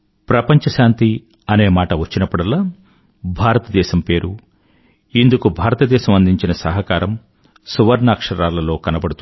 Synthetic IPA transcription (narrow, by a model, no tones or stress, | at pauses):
pɾɐpɐɲt͡ʃɐʃaːnt̪i | ɐne̞ːmaːʈɐʋɐt͡ʃːinɐpːuɽɐlːaː | bʱaːɾɐt̪ɐd̪ɛːʃɐmpe̞ːɾʔu | ind̪ukubʱaːɾɐt̪ɐd̪ɛːʃɐmɐnd̪iɲt͡ʃinɐsɐɦɐkaːɾɐm | suʋɐɾnaːkʂɐɾaːlɐlo̞ːkɐnɐbɐɽut̪u